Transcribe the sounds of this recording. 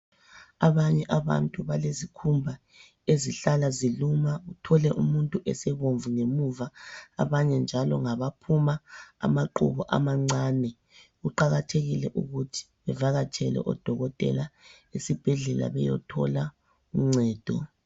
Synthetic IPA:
aβaɲɛʔaβa̰ntʼuβalezikʰumbʱa | eziɬalazilumautʰɔlɛʔumuntʼuʔɛsɛβoɱvuŋemuva̰ːβaɲɛnd͡ʒʱalɔ̰ŋaβapʰumaa̰maǃṵβɔʔa̰maŋ͡ǀaːnɛ | ɣuǃaɣatʰeɣilɛʔuɣutʰi̥βɛvaɣat͡ʃʰɛlɛ̰ʔɔd̥ʱɔɣɔtʼɛ̰la | esib̥ʱɛɮɛla̰βɛjɔ̰tʰɔ̰la | um̩ŋ͡ǀɛːd̥ʱɔ

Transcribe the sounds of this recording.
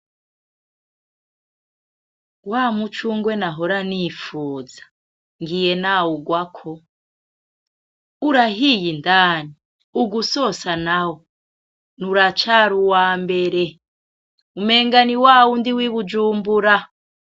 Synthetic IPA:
waːmut͡ʃuŋɡwenaɦoɾanifuːzḁ | ŋɡijenawuɡwakʰo | uɾaɦijindaːni | uɡusosanawo | nuɾat͡ʃaːɾuwaːmbe̞ɾe | ume̞ːŋɡaniwaːwundiwiβud͡ʒuːmbuɾa

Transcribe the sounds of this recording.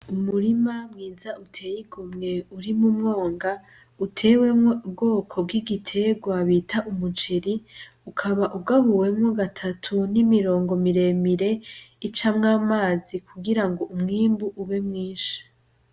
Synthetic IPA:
umuɾimamŋiːzautʰe̞jiɡumŋe̞uɾimumŋoːŋɡa | utʰeːwe̞obɡo̞ːkʰo̞b̚ɡiɡitʰe̞ɡwaβiːtʰaʔumut͡ʃe̞ɾi | ukʰaβaʔuɡaβuwe̞mŋoɡatʰatʰunimiɾo̞ːŋɡo̞miɾe̞miɾe̞it͡ʃamŋaːmaːzikʰuɡiɾaŋɡo̞ʔumŋiːmbuʔuβe̞mŋiːʃḁ

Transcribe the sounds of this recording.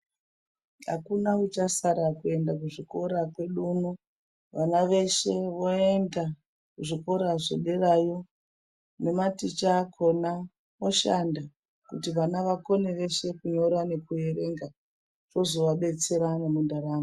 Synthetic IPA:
a̰kunaut͡ʃasaɾakue̞ndak̬uʐiko̞ɾakwe̞ɗunu | ʋanaʋe̞ʃe̞ʋo̞e̞nda | kuʐiko̞ɾaʐḛɗerajo̞ | ne̞matit͡ʃakʰo̞na | o̞ʃanda | kutiʋanaʋako̞neʋe̞ʃe̞kuɲo̞ɾane̞kueɾe̞ŋɡa | ʐo̞zo̞ʋaɓe̞t͡se̞ɾanemundaɾaːmo

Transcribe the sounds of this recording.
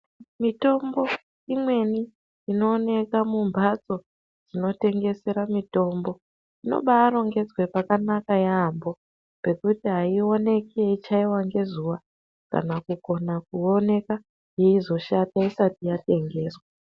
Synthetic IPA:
mito̞mbo̞ | imwe̞niː | no̞ːne̞kamumbʱat͡so̞ | d͡zino̞te̞ŋɡe̞seɾamito̞ːmbo̞ | ino̞̰ɓaːɾo̞ŋɡe̞d͡zwepakanakajaːmbo̞ | pe̞kutiɦaio̞ne̞keit͡ʃaiwaŋɡe̞zuʋa | ka̰nakuko̞nak̚uone̞ka | jeizo̞ʃataisatijate̞ŋɡe̞ːswa

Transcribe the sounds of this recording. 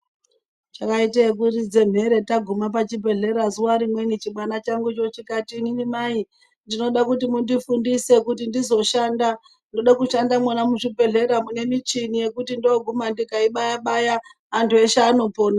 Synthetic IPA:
t͡ʃakaiteek̬urid͡ze̞m̤e̞ɾe̞taɡʱumap̬at͡ʃipe̞ɮe̞ɾazuwaɾimwe̞nit͡ʃiɓanat͡ʃaŋɡut͡ʃo̞t͡ʃikatiːninimai | ndino̞ɗakutimundifundise̞kutindizo̞ʃaːnda | ndo̞ɗakuʃandamwanamuʃipe̞ɮe̞ɾamune̞mit͡ʃinije̞kutindoɡʱumandikaiɓajaɓajaː | ntueʃaːnopo̞ːna

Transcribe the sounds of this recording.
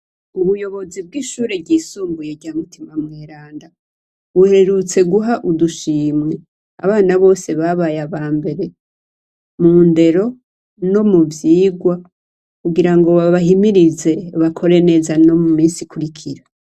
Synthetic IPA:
uβujo̞βo̞zib̚ɡiːʃuːɾeɟiːsuːmbuje̞ɾɟaːmutimamŋeːɾaːnda | βuhe̞ɾut͡se̞ɡuɦaʔuduʃiːmŋe | a̰βaːnaβo̞ːse̞βaβajaβaːmbe̞ɾe̞ | muːnde̞ɾo̞ | no̞muvjiːɡwa | kuɡiɾaŋɡowaβaɦimiɾize̞βakʰo̞ɾe̞ne̞zano̞mumiːnsikuɾikʰiɾa

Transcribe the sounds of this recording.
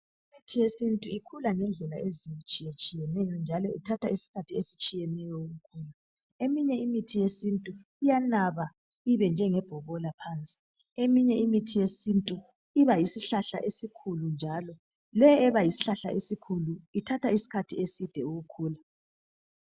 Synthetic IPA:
imitʰijesintʼuikʰulaŋɛnd͡ɮʱɛla̰ʔezijt͡ʃʼijet͡ʃʼijɛnɛjɔnd͡ʒʱalɔitʰatʰa̰isi̥kʰatʰiesi̥t͡ʃʼijɛnɛjɔuɣukʰuːla | emiɲɛimitʰijesintʼu | ijanaβa | iβɛnd͡ʒʱɛŋɛb̥ʱɔβɔlapʰant͡sʼi̥ | emiɲɛʔimitʰijesintʼu | iβajisiɬaɬa̰ʔesikʰulund͡ʒʱalɔ | lɛjːβajisi̥ɬaɬa̰ʔesikʰuluitʰatʰaisi̥kʰatʰiesid̥ʱɛuɣukʰuːla

